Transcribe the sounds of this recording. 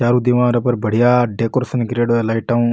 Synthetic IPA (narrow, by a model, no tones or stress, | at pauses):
t͡ʃaːɾud̪iʋãːɾəpəɾbʱəɽ̤ijaːɖeːkoɾsənɡɾeːɽoelaːiʈaũ